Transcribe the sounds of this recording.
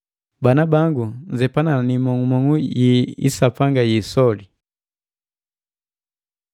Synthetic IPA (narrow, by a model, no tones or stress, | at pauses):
banabaŋɡund͡ʒɛpananimɔŋumɔŋujiḭsapaŋɡajisɔli